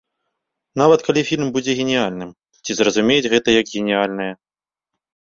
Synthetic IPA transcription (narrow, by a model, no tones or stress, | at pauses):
navɐt̪kalʲifʲilʲmbud͡zʲɛɣʲenʲialʲnɨm | t͡sʲizrɐzumʲejɛd͡zʲɣɛt̪ɐjɐɡɣʲenʲialʲnɐjɐ